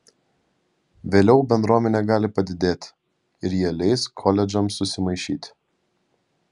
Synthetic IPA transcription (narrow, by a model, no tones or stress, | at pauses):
ʋʲeːlʲɛʊbʲɛnd̪ɾuɔmʲɛnʲeːɡɑːlʲɪpɐd̪ʲɪd̪ʲeːt̪ʲ | ɪɾjiɛlʲɛɪskʰɔlʲɛd͡ʒɐmsʊsʲɪmɐɪʃʲiːt̪ʲ